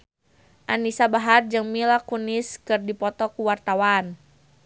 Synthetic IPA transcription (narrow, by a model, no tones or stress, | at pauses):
ʔanisabaɦard͡ʒɨŋmilakuniskɨrdipɔt̪ɔkuwart̪awan